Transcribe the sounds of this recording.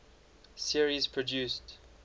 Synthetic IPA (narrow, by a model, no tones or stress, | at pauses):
siəɹizpʰɹɔdjuːˑst